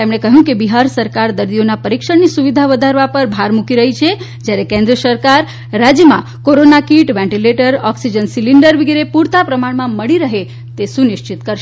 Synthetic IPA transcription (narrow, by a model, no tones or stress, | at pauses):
t̪emɽ̃ekəɦjũkebiɦaɾsəɾkaɾd̪əɾd̪ionapəɾikʃəɳnisuʋid̪ʱaʋəd̪ʱaɾʋapəɾbʱaɾmukiɾəɦit͡ʃʰe | d͡ʒjaɾekẽnd̪ɾəsəɾkaɾː | ad͡ʒjəmã̰ | koɾonakiʈʋɛ̃ɳʈileʈəɾɔksid͡ʒənsiliɳɖəɾʋiɡiɾepuɾt̪apɾəmaɽmãməɭiɾəɦe | t̪esunɪʃt͡ʃɪt̪kəɾʃe